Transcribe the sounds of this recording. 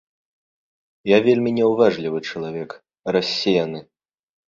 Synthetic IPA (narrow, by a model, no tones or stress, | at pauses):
javʲelʲmʲinʲɛwvaʐlʲivɨt͡ʂɐlˠavʲɛk | ɾasʲːɛjanɨ